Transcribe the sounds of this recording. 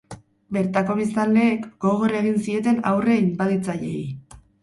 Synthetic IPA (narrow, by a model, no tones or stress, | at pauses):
be̞ɾt̪ako̞β̞ist̪ald̪e̞ːkɡ̥o̞ɣoraeɣ̞insie̞t̪e̞na̰wre̞imbaðit͡saʎe̞̰j